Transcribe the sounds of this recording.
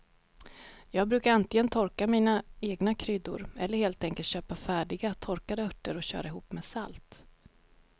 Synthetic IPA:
jɑːɡ̚bɾʉ̟ːkaɾant̪lɪɡənt̪ʰɔɾkamiːnaeːɡnakʰɾʏd̪ːʊ̰ɾɛlːəɾheːlt̪ɛŋkəlt̪ɕøːpafæːɖɪɡat̪ʰɔɾkad̪əœʈːəɾɔɕø̰ːɾaɪɦuːpːmeːsalt̪

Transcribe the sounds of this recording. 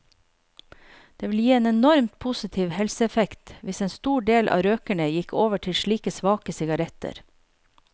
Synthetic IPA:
d̪̥eːʋɪl̩jiːeːnɛnɔɾmt̪̚pʰʊsɪt̪ʰiːʋhɛlsəɛfɛkt̪ʋɪseːnst̪uːɖeːlʔɑ̰ːɾøːkəɳəjɪkʰoːʋəʈʰɪlʃɭiːkəsʋɑːkəsɪɡɑɾɛt̪ə̰ɾ

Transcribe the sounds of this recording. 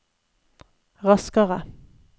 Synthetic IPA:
ʁɑskəʁə

